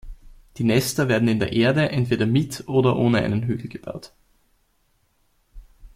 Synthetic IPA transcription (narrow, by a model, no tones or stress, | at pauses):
d̥iːnɛstɐveːɐdn̩ɪndeːɐʔeːɐdəʔɛntv̥eːɾɐmɪtʔoːdɐʔoːnəa̰ɪnənɦyːɡl̩ɡ̥əb̥a̰ʊt